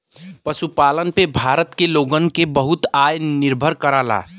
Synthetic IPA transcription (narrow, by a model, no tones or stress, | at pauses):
pəsupaːlənpebʱaːɾət̪keloːɡənkebəɦʊt̪ajnɪɾbʱəɾkəɾaːla̰ː